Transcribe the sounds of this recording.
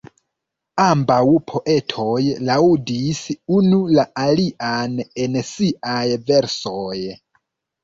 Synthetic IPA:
ambawpʰo̞ʔe̞tʰo̞jlaudisunulaʔaliʔanensiʔajve̞ɾsoj

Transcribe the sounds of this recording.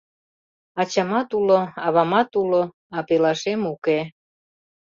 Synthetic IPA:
ɑt͡ɕɑmɑt̪uloɑβɑmɑt̪ulo | ɑpelɑʃemuke

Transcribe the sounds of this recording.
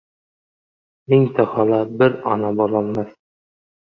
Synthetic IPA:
ɪŋt̪ʰahɒlabɪɾɒ̰nabɒlˠɒlˠmas

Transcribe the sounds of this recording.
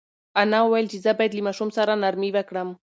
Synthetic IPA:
anawweld͡ʒizabat̪limaʃʊmsaɾanaɾmiβakɽam

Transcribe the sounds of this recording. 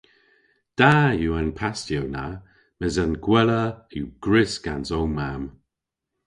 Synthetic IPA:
d̥ajuːanpʰastɛwna̰ | mɛzanɡ̥wɛləjuɡ̥ɹɪsɡ̥ansowmam

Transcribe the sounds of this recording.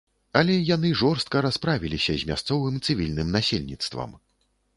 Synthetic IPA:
ɐlʲɛjan̪ɨʐɔrst̪̚kɐɾaspɾavʲilʲisʲɐzʲmʲast̪sɔvɨmt̪sɨvʲilʲnɨmnasʲelʲnʲit̪st̪vɐ̰m

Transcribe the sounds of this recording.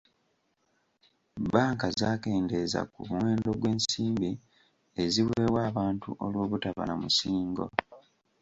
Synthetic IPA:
baːŋkazaːke̞ːnde̞za̰kṵβuwe̞ːndo̞ɡwe̞ːnsiːmbi | eziwe̞ːwaːβaːntuʔolwo̞ːβutaβa̰namusiːŋɡo̞̰

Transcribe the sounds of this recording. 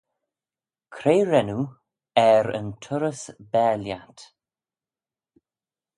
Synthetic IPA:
kʰɾeːɹɛnu | ɛɾə̰ntʰʊɾəsbɛːljat

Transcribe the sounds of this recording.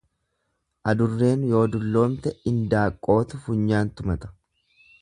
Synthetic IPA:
ʔɐd̪ʊrːe̞ːnjo̞ːd̪ʊlːo̞ːmt̪ɛɪnd̪aːkʼːo̞ːt̪ʊfʊɲːaːnt̪ʊmɐt̪ʼɐ̥

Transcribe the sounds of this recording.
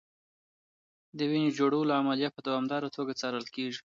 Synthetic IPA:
d̪əwind͡ʒoɽawəloamalijat̪̚pəd̪awɑmd̪ɑɾat̪ʰoɡat͡sɑɾəlkeʐi̥

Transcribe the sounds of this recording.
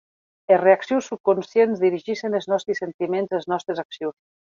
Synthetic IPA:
ereaksjuwsːup̚kunsjenzðiɾiʒiʃenəlˠznɔst̪ɾisent̪imenzelˠznɔst̪ɾezaksjos

